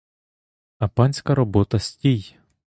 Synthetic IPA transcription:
ɐpɑnʲsʲkɐɾɔbɔt̪ɐsʲtʲij

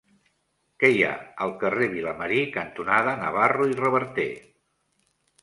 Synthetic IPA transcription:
kɛja̰əlˠkəreβ̞iləməɾikənt̪unaðənə̰βaruirəβəɾt̪e

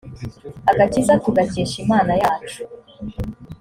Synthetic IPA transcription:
aɡacizatuɡaceːʃimaːnajaːt͡ʃu̥

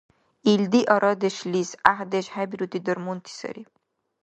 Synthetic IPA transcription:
ild̪iʔɔɾɔd̪eʃlisaɦd̪eʃhæbiɾut̪ʰid̪əɾmunt̪ʰi̥sɐ̰ɾi

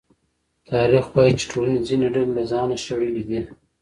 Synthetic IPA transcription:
t̪ʰɑɾixwɑjit͡ʃe̥ʈʰolanezinaɖallazɑnaʃaɽəlid̪i

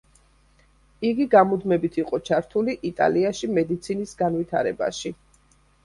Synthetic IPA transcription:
iɡiɡamud̪mɛbit̪ʰiqʼɔt͡ʃʰaɾt̪ʰuliʔit̪ʼa̰liaʃimɛd̪it̪sʰinisɡanvit̪ʰa̰ɾɛ̰ba̰ʃi

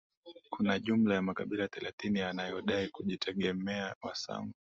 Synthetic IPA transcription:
kʰunaʄum̩lajamakaɓilaθɛlaθinianajɔɗaikuʄitʰɛɠɛmɛawasa̰ŋɡu

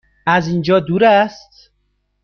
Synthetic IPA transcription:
æzind͡ʒɒːd̪uːɾæst̪̚

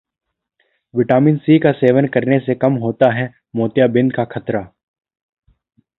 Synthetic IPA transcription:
ʋɪʈaːmɪnsikaseːʋənkɐɾnesekɐmɦoːt̪aɦɛ | moːt̪jabɪ̃nd̪kakʰɐt̪ɾaː

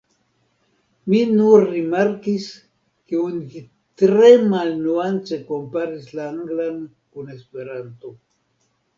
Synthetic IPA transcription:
minurimaɾkis | keunki | t̪ɾemalnuant͡sekompaɾislaŋɡlan | konespeɾant̪o

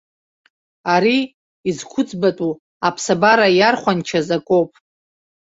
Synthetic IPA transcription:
aɾiː | zkʷʰʊt͡sʼbatʼu | apʰsabaɾajarχʷant͡ʃʰazakʼopʼ

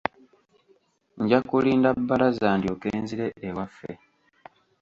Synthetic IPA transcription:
ɲɟakuliːndabːalazaːndio̞keːnziɾe̞ʔːwafːe̞̰

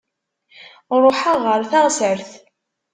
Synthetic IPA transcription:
ɾˤoħaʁəɾθaʁsəɾθ

